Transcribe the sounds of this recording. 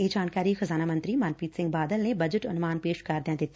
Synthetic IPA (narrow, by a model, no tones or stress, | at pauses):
eːd͡ʒaːnkaːɾiːxəzaːnaːmə̃nt̪ɾimaːnpiːt̪sɪ̃ŋɡbaːd̪əlnebɐd͡ʒəʈɐnmaːnpeːʃkɐɾd̪eãd̪ɪt̪ː